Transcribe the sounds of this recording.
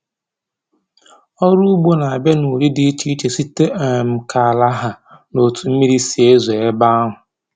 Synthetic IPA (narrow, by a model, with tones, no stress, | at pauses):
ɔ˦ɾu˦ɡ͡bo˦na˨a˨be˦nu˨ɾi˦dɪ˦t͡ʃi˦t͡ʃe˨si˦te˦ʔm̩˦kʰa˨la˦ɦa˨no˨tʰu˨m̩˦mi˦ɾi˦si˨e˦ze˨e˦ba˦ɦʊ˨